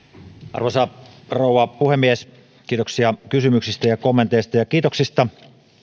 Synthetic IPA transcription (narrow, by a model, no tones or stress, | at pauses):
ʔɑ̰rʋosɑroˑuwˑɑpuhemːies | kiːt̪oksiɑkysymyksist̪æjɑkomːent̪eˑist̪ɑjɑkiːt̪oksist̪ɑ